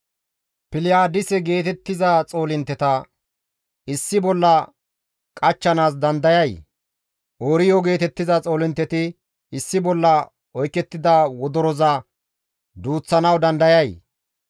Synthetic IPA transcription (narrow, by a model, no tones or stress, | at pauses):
pɪlɪjaːd̪ɪsɛɡe̞ːt̪ɛt̪ːɪzɐt͡sʼo̞ːlɪnt̪ːɛt̪ɐ | ɪsːɪbɔlːɐ | kʼɐt͡ʃːɐnaːs̬d̪ɐnd̪ɐjɐj | ʔoːɾɪjoɡe̞ːt̪ɛt̪ːɪzɐt͡sʼo̞ːlɪnt̪ːɛt̪ɪ | ɪsːɪbɔlːɐ | ɔjkːɛt̪ːɪd̪ɐwɔd̪ɔɾɔzɐ | d̪uːt͡sːɐnɐwd̪ɐnd̪ɐjɐj